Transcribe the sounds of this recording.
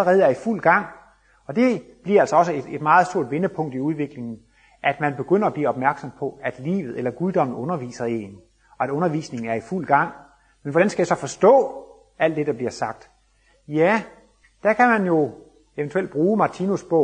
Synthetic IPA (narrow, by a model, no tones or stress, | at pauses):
əʁɛːð̞̩ˠæɐiful̰ɡ̥ɑ̈ŋ̰ | ɒ̽d̥e̝b̥liɐælsɒ̽ɒ̽səe̥e̝d̥mɑ̈ːð̞̩ˠsd̥o̝ɐ̰d̥ʋe̝nəpʰɔ̽ŋ̰d̥iuð̞ˠʋe̝ɡ̥le̝ŋn̩ | ʔæd̥mænb̥e̝ɡ̥øn̰ɐɒb̥liːɒ̽b̥mæɐɡ̥sɒ̽mpʰɒ̽æd̥lḭːʋð̩ˠelɐɡ̥uðˠd̥ɒ̽mn̩ˠɔ̽nɐʋḭːsɐe̝n | ɒ̽æɾ̥ɔ̽nɐʋḭːsne̝ŋn̩æɐiful̰ɡ̥ɑ̈ŋ̰ | menʋɒɾ̥ænsɡ̥æjasɒ̽fɒ̽sd̥ɔ̰̽ː | æl̰d̥ːe̝d̥ɑ̈b̥liɐsɑ̈ɡ̥̚d̥ | jæ | d̥ækʰæmænjo̝ | e̝ʋənt͡sʰueld̥̚b̥ʁuːmɑ̈t͡sʰinusb̥ɔ̽ʊ̰